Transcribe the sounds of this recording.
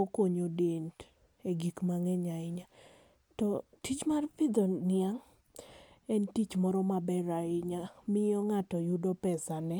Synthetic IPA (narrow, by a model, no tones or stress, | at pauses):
okoɲodent | eɡikmaŋɛɲaɪɲa | tɔtit͡ʃmarpɪd̪ɔnɪaŋ | ɛntit͡ʃmɔɾɔmabɛɾaɪɲamɪɔŋatɔjʊdɔpɛsanɛ